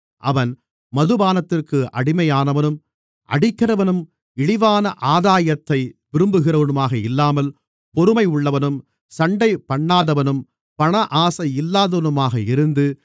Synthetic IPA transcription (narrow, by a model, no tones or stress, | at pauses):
ʔɐʋɐn | mɐðɯbaːnɐt̪ːɪrkɯʔɐɽɪmɐjaːnɐʋɐnɯm | ʔɐ̰ɽɪkːɪrɐʋɐnɯm | ɪɽɪʋaːnɐʔaːðaːjɐt̪ːɐɪʋɪɾɯmbɯɣɪrɐʋɐnɯmaːɣɐɪlːaːmɐl | pɔɾɯmɐɪʊɭːɐʋɐnɯm | sɐɳɖɐɪpɐɳːaːðɐʋɐnɯm | pɐɳɐʔaːsɐɪɪlːaːðɐʋɐnɯmaːɣɐɪɾɯnd̪ɯ